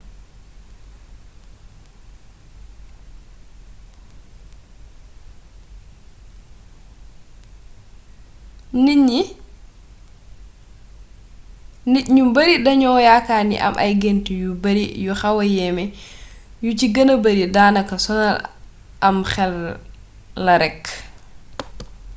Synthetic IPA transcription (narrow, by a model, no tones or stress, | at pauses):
niɲːi | niɲumbaɾiɗaɲɔjakanḭʔa̰mʔa̰jɡentijubaɾijɔxawajɛmɛ | jut͡ʃiɡanabaɾidaːnakasɔnal | ʔamxɛlː | aɾɛk